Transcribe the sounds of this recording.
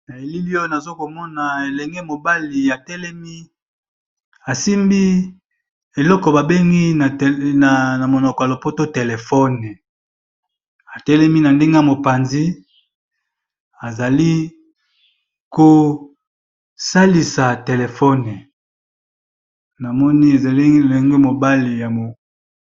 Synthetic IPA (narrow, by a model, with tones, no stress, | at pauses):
na˨e˨li˦li˦ɔ˦na˨zo˦ko˨mɔ˦na˨e˨lɛ˨ŋɡe˦mo˨ba˦li˨ja˨tɛ˦lɛ˦mi˦ | a˨si˦mbi˦ | e˨lɔ˦kɔ˨ba˨be˦ŋɡi˦˨a˨na˨mo˨nɔ˨kɔ˨ja˨lo˨po˦to˦te˨le˨fɔ˦nɛ˨ | a˨tɛ˦lɛ˦mi˦na˨nde˦ŋɡe˦a˨mo˨pa˨nzi˦ | a˨za˨li˦ | ko˨ | sa˦li˨sa˨te˨le˨fɔ˦nɛ˨ | na˨mɔ˦ni˦e˨za˨li˦˨le˨ŋɡe˦mo˨ba˦li˨ja˨mo˨